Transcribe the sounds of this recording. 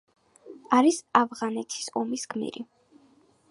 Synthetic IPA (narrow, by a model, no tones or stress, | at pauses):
aɾisavʁanɛt̪ʰi̥sɔmisɡmḭɾi